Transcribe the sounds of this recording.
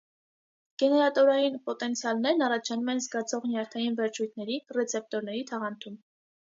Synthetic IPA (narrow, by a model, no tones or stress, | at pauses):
ɡ̥ɛnɛɾɑt̪ɔɾɑjinpɔt̪ɛnt͡sʰjɑlnɛɾnɑrɑt͡ʃʰɑnumɛnzɡɑt͡sʰɔʁnjɑɾt̪ʰɑjinvɛɾt͡ʃʰujt̪ʰnɛɾirɛt͡sʰɛp̚t̪ɔɾnɛɾit̪ʰɑʁɑnt̪ʰum